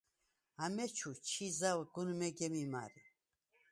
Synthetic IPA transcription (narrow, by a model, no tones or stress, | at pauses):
amɛt͡ʃʰut͡ʃʰizawɡunmɛɡɛmima̰ɾi